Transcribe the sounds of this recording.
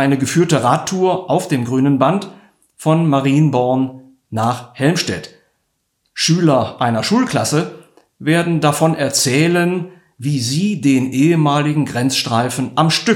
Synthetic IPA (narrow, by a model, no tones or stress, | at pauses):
ʔaɪnəɡəfyːɐtəʁaːtʰːuːɐʔaʊfd̥eːmɡʁyːnənbant | fɔnmaʁiːnbɔɐnː | aːχhɛlmʃtɛ̰t | ʃyːlɐʔaɪnɐʃuːlkl̥asə | veːɐdn̩dafɔnʔɛɐt͡sɛːlən | viːziːdeːnʔeːəmaːlɪɡŋ̩ɡʁɛnt͡sʃtʁ̥aɪfn̩ʔamʃtʏ